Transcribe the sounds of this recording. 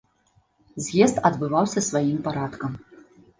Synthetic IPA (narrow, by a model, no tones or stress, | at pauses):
zʲjɛst̪ɐd̪bɨvawsʲɐsvajimpaɾat̪kɐm